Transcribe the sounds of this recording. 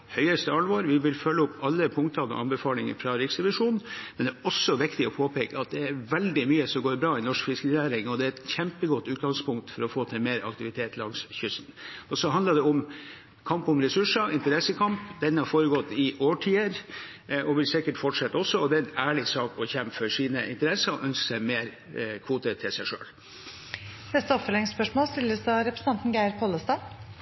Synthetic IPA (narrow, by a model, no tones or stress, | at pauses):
hœʏəst̪əɑlʋoːɾʋɪʋɪlfœlːəʊpːɑlːəpʰʊŋkt̪ʰɑnɔ̰ʔɑ̰nbəfɑːlɪŋə̰fɾɑɾɪksd̪ɛʋɪʂuːnmɛnd̪æɔsːɔʋɪkt̪ɪɔpʰoːpʰeːkəɑt̪̚d̪ɛæɾʋɛld̪ɪmyːəsɔmɡoːɾbɾɑːɪnɔʂkfɪsknæːɾɪŋɔd̪ɛæɾɛt̪çɛmpəɡɔt̪ːʉːt̪̚ɡɑŋspʊŋk̚t̪fɔɾɔfoːt̪ʰɛmeːɾɑ̰kt̪ɪʋɪt̪ʰeːt̪lɑŋsçʏst̪n̩ɔsɔɦɑnd̪əɖ̪ɛʊm | kʰɑmpʊmɾɛsʉʂɑɪnt̪əɾɛsːəkʰɑmpd̪ɛnhɑɾfoːɾəɡɔt̪ːɪʔoːʈʰiːəɾ | ʔɔʋɪlsɪkəʈfɔʈʂɛt̪ːəɔsːɔɔd̪ɛnæːɭɪsɑːkɔçɛmpfɔʂiːnəʔɪ̰nt̪əɾɛsɑɾɔ̰ʔœnskə̥sæɪmeːɾ | kʰʋuːt̪ət̪ʰɪlsæɪʂø̰ːl | nɛst̪əɔpfəlɛŋspœʂmoːlst̪ɪləsd̪ɑɾɛpɾəsn̩ʰɑnt̪n̩ɡæɪɾpʰɔːlːəst̪ɑː